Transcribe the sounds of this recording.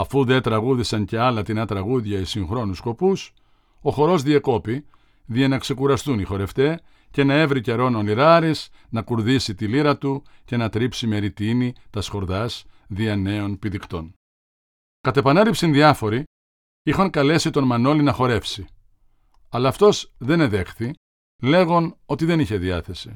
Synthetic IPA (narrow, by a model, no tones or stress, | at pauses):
ɐfuðe̞t̪ɾɐɣuðisɐnce̞ɐlɐt̪inɐt̪ɾɐɣuðʝɐisiŋxɾo̞nusko̞pus | o̞xo̞ɾo̞zðiɐko̞pi | ðiɐnɐkse̞kuɾɐst̪unixo̞ɾe̞ft̪e̞ | ce̞nɐe̞vɾice̞ɾo̞noniɾɐɾisnɐkuɾðisit̪iliɾɐt̪uce̞nɐt̪ɾipsime̞ɾit̪init̪ɐsxo̞ɾðɐsðiɐne̞o̞npiðikt̪o̞n | kɐt̪ɐe̞pɐnelipsinðiɐfo̞ɾi | ixɐŋkɐle̞sit̪o̞nmɐno̞linɐxo̞ɾe̞fsi | ɐlɐːft̪o̞sðe̞neðe̞xθi | le̞ɣo̞no̞t̪iðe̞niçe̞ðiɐθe̞si